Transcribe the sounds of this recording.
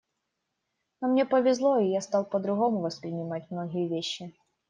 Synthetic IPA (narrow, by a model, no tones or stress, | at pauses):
nomnʲepəvʲɪzlˠoijast̪ɑlˠpəd̪ɾʊɣo̞mʊvəspɾʲɪnʲɪmat̚ʲmnoɣʲɪjəvʲeɕːɪ